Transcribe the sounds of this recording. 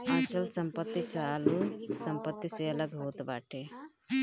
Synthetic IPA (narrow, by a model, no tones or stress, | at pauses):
at͡ʃəlsəmpət̪ːit͡ʃalusəmpət̪ːiseələɡɦot̪ba̰ʈʰe